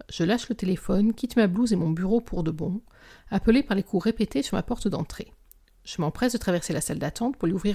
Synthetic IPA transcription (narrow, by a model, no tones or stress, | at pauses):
ʒ̥əlaʃlət̪elefɔnkʲit̪mabluzemɔ̃byʁopʰuʁd̪əbɔ̃ | apəlepaʁlekʰuʁepet̪esyʁma̰pɔʁt̪əd̪ɑ̃t̪χe | ʒ̥əmɑ̃pχɛsd̪ət̪χavɛʁselasald̪at̪ɑ̃t̪̚puʁlɥiuvʁiʁ